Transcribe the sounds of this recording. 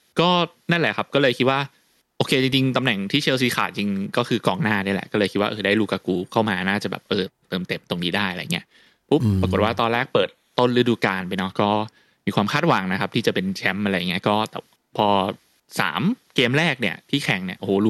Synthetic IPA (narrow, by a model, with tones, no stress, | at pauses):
kɔː˥˩ | na˥˩nlɛ˨˩kʰa˦˥p̚kɔː˥˩lɤː˧jkʰi˦˥t̪̚waː˥˩ | ʔoː˧kʰeː˧t͡ɕi˧ŋt͡ɕi˧ŋt̪a˧mnɛ˨˩ŋt̪ʰiː˥˩t͡ɕʰeː˧ws̬iː˧˦xʰa̰ː˨˩t̪̚t͡ɕi˧ŋkɔː˥˩xʰɯː˧kɔː˧˩ŋnaː˥˩na˥˩lɛ̰˨˩ʔkɔː˥˩ɤː˧kʰi˦˥wa˥˧ʔɤː˧˩daː˥˩jɾuː˦˥kaː˧˩kuː˧kʰa˥˩wmaː˧naː˥˩t͡ɕa˨˩bɛ̰˨˩pːɤː˨˩t̪ːɤː˧mt̪e˨˩m̚t̪o˧ŋniː˦˥daː˥˩ja˨˧a̰˧ji˦˥ | pʰu˦˥p̚ːɾa˧ko˨˩t̪̚waː˥˩t̪ɔː˧nɾɛː˥˩k̚pɤː˨˩t̪̚ːo˥˩nlɯ˦˥˩duː˧kaː˧npa˧jnɔ˦˥kɔː˥˩ | miː˧kwaː˧mkʰaː˥˩t̪̚wa˨˩˦ŋna˦kʰa˦˥p̚t̪ʰiː˥t͡ɕa˨˩pe˧nt͡ɕʰɛ˦˥mʔa˧ɾa˧jːa˨˩ŋːi˦˥˦kɔː˥˩t̪ɛ̰ː˨˩ | pʰɔː˧ | sa̰ː˩˦mkeː˧mɾɛː˥˩k̚ni˥˩ɐt̪ʰiː˥˩kʰɛ˨˩ŋni˥˩ɐʔo˧hːlu˧˦